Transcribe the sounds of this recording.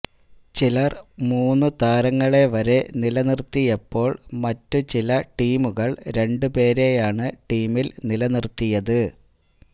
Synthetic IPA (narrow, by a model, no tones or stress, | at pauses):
t͡ɕilɐrmuːnːut̪aːɾɐŋːɐɭe̞ʋɐɾe̞nilɐnirt̪ːijɐpːo̞ːɭmɐtːut͡ɕilɐʈiːmuɣɐɭɾe̞ɳɖupe̞ːɾe̞jaːɳɨʈiːmilnilɐnirt̪ːijɐðɨ